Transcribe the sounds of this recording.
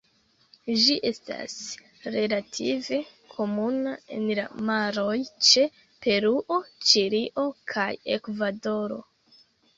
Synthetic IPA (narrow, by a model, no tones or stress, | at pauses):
d͡ʒiʔe̞sta̰s | ɾe̞latʰive̞ | kʰo̞munae̞̰nla̰maɾo̞jt͡ʃe̞ | pe̞ɾuʔo̞t͡ʃiɾiʔo̞kʰaje̞̰kvado̞ɾo̞̰